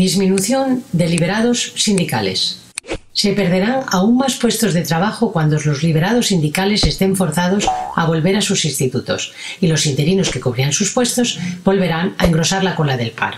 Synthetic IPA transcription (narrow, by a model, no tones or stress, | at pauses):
d̪izmĩnuθjo̞nd̪eliβe̞ɾaðo̞sːind̪ikale̞̰sː | e̞pe̞ɾðe̞ɾaŋauŋmaspwe̞st̪o̞zðe̞t̪ɾaβaxokwand̪ozlo̞zliβ̞e̞ɾað̞o̞sːind̪ikale̞se̞st̪e̞ɱfo̞ɾθað̞o̞sa̰β̞o̞lβe̞ɾasusinst̪it̪ut̪o̞̰s | ilo̞sint̪e̞ɾino̞ske̞koβ̞ɾiansuspwe̞st̪o̞zbo̞lβe̞ɾaŋa̰eŋɡɾo̞saɾlako̞laðe̞lpa̰ɾ